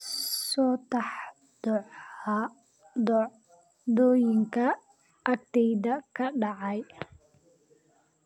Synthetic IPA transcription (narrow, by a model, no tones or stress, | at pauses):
sɔːt̪ɑħ | d̪̥ɔʕ | d̪ | d̪ɔːjɪŋkʰɐ | ʔɐk̚t̪ʰɛjðɐkʰɐɖɑʕɑj